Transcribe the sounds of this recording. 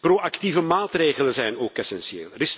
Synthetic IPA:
proʔakt̪ivəmaːt̪reːɣələnzɛjnoːkɛsɛnsiḛːlˠrɪs

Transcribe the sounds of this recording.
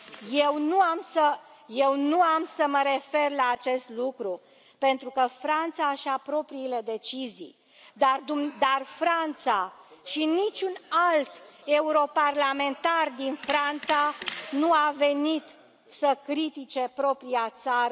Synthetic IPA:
jewnuamsəje̞wnuamsəməɾe̞fe̞rlaːt͡ʃe̞st̪lukɾu | pe̞nt̪ɾukəfɾant̪saʃiapɾo̞pɾiːle̞d̪e̞t͡ʃizḭj | d̪ard̪umd̪arfɾant̪saʃinit͡ʃʲunalt̪e̞uɾo̞parlame̞nt̪ard̪infɾant̪sanuave̞nit̪ | səkɾit̪it͡ʃe̞pɾo̞pɾijat̪saɾə

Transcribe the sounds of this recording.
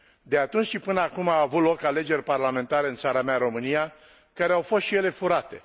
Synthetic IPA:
d̪e̞at̪unt͡ʃʃipɨnəakumaːvut̪lo̞kale̞d͡ʒe̞rʲparlame̞nt̪aɾe̞ɨnt̪saɾameaɾo̞mɨnija | kaɾeawfo̞st̪ʃije̞le̞fuɾat̪e̞̰

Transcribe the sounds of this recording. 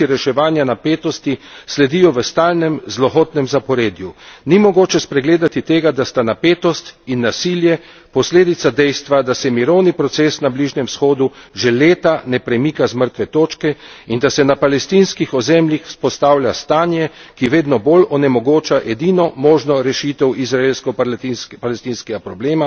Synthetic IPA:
iɾɛʃɛʋaːnjanapeːt̪ɔst̪islɛd̪ijɔʋəst̪aːlnɛmzlɔxoːt̪nɛmzapɔɾeːd̪junimɔɡoːt͡ʃɛspɾɛɡleːd̪at̪it̪eːɡad̪ast̪anapeːt̪ɔst̪inːasiːljɛ | pɔsleːd̪it̪sad̪ɛjst̪ʋad̪asɛmiɾɔwnipɾɔt̪seːsnabliʒnɛmsxoːd̪uʒeleːt̪anɛpɾɛmikazməɾt̪ʋɛt̪oːt͡ʃkɛind̪asɛnapalɛst̪inskixɔzɛːmljixspɔst̪aːwlʲast̪aːnjɛkiʋeːd̪nɔbolɔnɛmɔɡoːt͡ʃaʔɛd̪inɔmɔːʒnɔɾɛʃiːt̪ɛwizɾaeːlskɔpalɛst̪iːnskɛɡapɾɔbleːma

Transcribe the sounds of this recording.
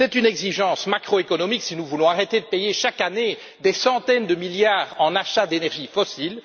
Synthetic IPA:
sɛt̪ynɛɡziʒɑ̃ːsmakχoekɔnɔmiksinuvulɔ̃aʁet̪ed̪əpejeʃakane | d̪esɑ̃t̪ɛnd̪əmiljaːʁɑ̃naʃad̪enɛʁʒifɔsil

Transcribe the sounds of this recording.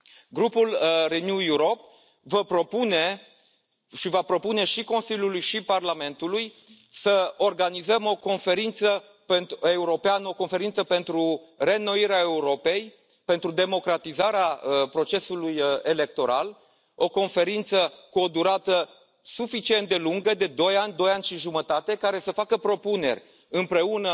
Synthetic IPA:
ɡɾupulrenjujuɾo̞p̚ | vəpɾo̞pune̞ | ʃivapɾo̞pune̞ʃiko̞nsilʲjulujʃiparlame̞nt̪uluj | səo̞rɡanizəmo̞ko̞nfe̞ɾint̪sə | pent̪e̞uɾo̞peanəo̞ko̞nfe̞ɾint̪səpe̞nt̪ɾu | re̞nːo̞iɾeae̞uɾo̞pe̞j | pe̞nt̪ɾud̪e̞mo̞kɾat̪izaɾeaəpɾo̞t͡ʃe̞suluje̞le̞k̚t̪o̞ɾa̰l | o̞ko̞nfe̞ɾint̪səkuo̞d̪uɾat̪ə | sufit͡ʃient̪̚d̪e̞luŋɡəd̪e̞d̪o̞janʲd̪o̞janʲʃiʒumət̪at̪e̞kaɾe̞səfakəpɾo̞pune̞̰rʲ | ɨmpɾe̞unə

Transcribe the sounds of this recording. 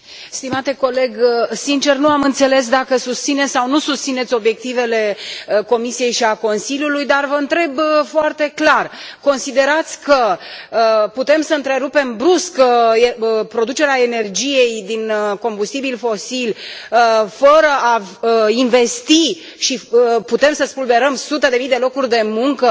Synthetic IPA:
st̪imat̪e̞ko̞le̞ɡsint͡ʃe̞rnuamɨnt̪se̞le̞s̬d̪akəsust̪sine̞t̪sʲsawnusust̪sinet̪sʲo̞bje̞k̚t̪ive̞le̞ko̞misije̞jʃiako̞nsilʲjulujd̪arvəɨnt̪ɾe̞bfoart̪eklarko̞nsid̪e̞ɾat̪sʲkəəput̪e̞msəɨnt̪ɾe̞ɾupe̞mbɾuskeəpɾo̞d̪ut͡ʃe̞ɾeae̞ne̞rd͡ʒije̞jd̪inko̞mbust̪ibilfo̞silʲəfəɾəʔaəinve̞st̪i | ʃiəput̪e̞msəspulbe̞ɾəmsut̪ed̪e̞mijd̪e̞lo̞kurʲd̪e̞muŋkə

